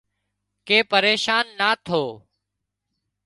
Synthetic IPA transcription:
keːpəɾeːʃaːnːaːt̪ʰoː

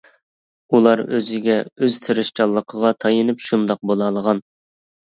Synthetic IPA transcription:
ulˠɑɾø̰zɪɡʲɛøzt̪ʰeɾɪʃt͡ʃɑlˠːəqʰəʁɑt̪ʰɑjɨnɨpʃund̪ɑq̚bolˠɑlˠəʁɑn

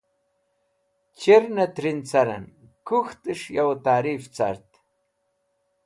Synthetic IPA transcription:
t͡ɕiɾnɐt̪ɾint͡sɐɾɐ̰n | kuxt̪ɨʂjawt̪aːɾiːft͡sa̰ɾt̪

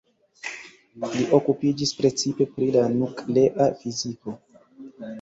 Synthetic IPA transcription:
liʔo̞kupid͡ʒispɾe̞t͡sipe̞pɾilanukle̞ʔafiziko̞

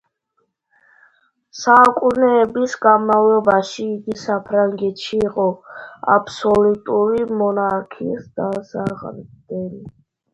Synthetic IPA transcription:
sakʼunɛːbisɡanmavlɔbaʃiːɡisapʰɾaŋɡɛt̪ʃiːqʼɔa̰pʰsɔlut̪ʼuɾimɔnaɾkʰḭsd̪̥asaʁnd̪ɛli

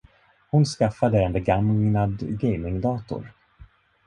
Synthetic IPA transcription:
hʊnskafad̪əɛnbɛɡamnad̪ɡɛjmɪŋd̪ɑːt̪ʊ̰ɾ

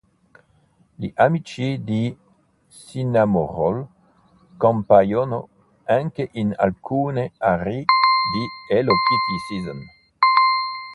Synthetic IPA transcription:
liʔamit͡ʃid̪i | sinamoʁol | kõmpajono̰ | aŋkeʔina̰lkʰuneaɾid̪ielokitisizm

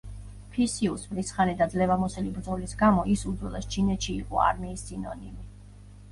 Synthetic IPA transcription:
pʰisiusmɾisχanid̪ad̪zlɛvamɔsɛlibɾd̪zɔlisɡamɔʔisud̪zwɛlˠast͡ʃʰinɛt̪ʃiːqʼɔ̰a̰ɾmiːsːinɔ̰nimi

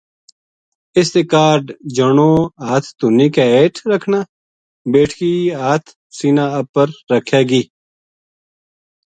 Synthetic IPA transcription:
ɪst̪eːkaːɾɖd͡ʒəɳoːaːt̪ʰt̪ʊnːiːkaeːʈʰɾəkʰnaː | beːʈʰkiːaːt̪ʰ | siːnaəpəɾːəkʰjaːɡiː

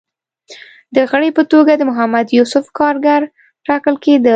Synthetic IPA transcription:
d̪əɣəɽepət̪oɡad̪əmʊɦamad̪jusʊfkɑɾɡaɾ | ʈɑkəlked̪ə

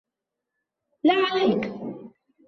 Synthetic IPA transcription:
laʕalajk

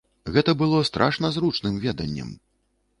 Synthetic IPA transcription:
ɣɛt̪ɐbɨlˠɔst̪ɾʔaʂnɐzɾut͡ʂnɨmvʲɛd̪ɐ̰nʲːɐ̰m

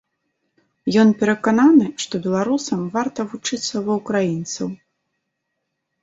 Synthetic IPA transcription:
jɔnpʲɛɾɐkananɨʂt̪ɔbʲɛlˠaɾusɐmvart̪ɐvut͡ʂɨt̪sːɐvɐwkɾajint̪sɐw

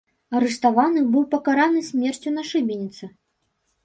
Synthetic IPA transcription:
ɐɾɨʂt̪avanɨbɨwpɐkaɾanɨsʲmʲɛrt͡sʲunɐʂɨbʲenʲit̪sɨ

